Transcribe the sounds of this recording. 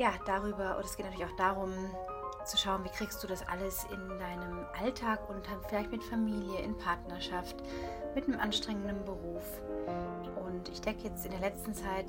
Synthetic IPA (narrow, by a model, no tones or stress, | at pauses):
jaːd̥aʁ̞yːbɐʔʊ̰ndtɛsɡ̥eːtntyːlɪçʔaʊxd̥aːʁʊm | t͡suʃaʊənviːkʁ̥iːkstd̥uːdasʔa̰ləsɪ̰ndaɪnəmʔaltʰaːkʊntafɪlaɪçtmɪtfamiːljəʔɪ̰npʰaɐtnɐʃaft | mɪtnəmʔanʃtʁ̥ɛŋəndənbəʁuːf | ʔʊntʔɪçd̥ɛŋkəjɛt͡stɪndeːɐlɛt͡stn̩t͡saɪt